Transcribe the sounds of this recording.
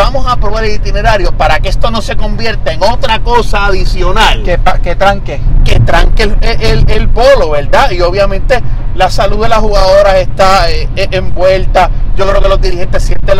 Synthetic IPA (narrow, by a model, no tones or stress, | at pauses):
amo̞sapɾo̞βaɾelit̪ine̞ɾaɾjo̞paɾakeest̪o̞no̞se̞ko̞mbje̞ɾt̪aeŋo̞t̪ɾako̞saːðisjo̞nalkepaket̪ɾaŋkeket̪ɾaŋkeeʔelelpo̞lo̞βe̞ɾd̪aio̞β̞jamẽnt̪e̞lasaluðe̞lashuɣaðo̞ɾase̞st̪aeʔembwe̞lt̪aɟ͡ʝokɾe̞o̞ke̞lozd̪iɾihe̞nt̪e̞sːjent̪e